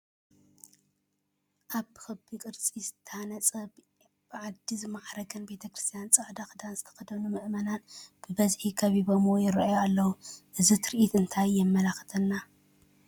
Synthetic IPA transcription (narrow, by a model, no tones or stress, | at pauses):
ʔaβɨxɐbikʼɨɾt͡sʼizɨt̪ʰːɐhanɐt͡sʼɐb | b̥ɨʕad̪izɨmaħɾɐɡʰɐnbe̞t̪ʰɐkɾɨ̥st̪ʰijant͡sʼɨʕd̪axɨd̪anzɨt̪ʰɐ̥xɐd̪ɐnumɨʔmɐnanb̥ɨbɐzħikʰɐβibɐmojɪɾɐʔajoalːɐwuʔɨzit̪ʰɨɾʔit̪ɨnt̪ʰajɛmːɐlaxt̪ʰɐnːa